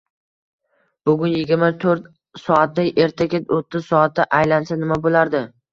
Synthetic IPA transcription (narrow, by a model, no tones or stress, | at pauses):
b̥ʊɡʲʊnjɪɡʲɪɾmat̪ʰoɾt̪ | sɒat̪d̪ajʔeɾt̪ʰakʲet̪ot̪ʰːɪz̥sɒat̪̚ːaʔajlansanɪmabolaɾd̪ɪ